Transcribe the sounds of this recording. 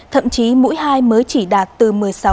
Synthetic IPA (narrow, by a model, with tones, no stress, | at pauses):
t̪ʰə̰˧˨mt͡ɕi˨˦mṵ˧˥jhaː˧jməː˨˦jt͡ɕi˧˩ɗaː˨˩t̚t̪ɨ˨˩mɨ˨˩əjsa˨˦